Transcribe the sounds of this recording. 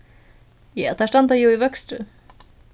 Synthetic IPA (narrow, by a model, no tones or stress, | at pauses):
jɛːt̪ʰæʂtant̪ajuivœkst̪ʏ